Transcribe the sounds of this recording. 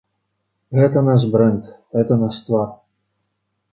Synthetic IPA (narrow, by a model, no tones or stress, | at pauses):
ɣɛt̪ɐnaʃ̬bɾɛnt̪ɣɛt̪ɐnaʂt̪vɑr